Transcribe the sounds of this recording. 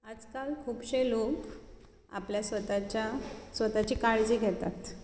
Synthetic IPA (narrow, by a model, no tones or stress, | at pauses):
ad͡zkalkʰuːbɕelok | a̰pljasʋət̪at͡ɕasʋət̪at͡ɕiːkaɭd͡ʑiːɡʱɛt̪at̪